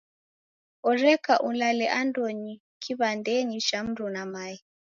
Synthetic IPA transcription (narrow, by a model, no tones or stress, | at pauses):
ɔrɛkaʔulalɛʔandɔɲi | kʰiβandɛɲiʃam̩ɾunamaji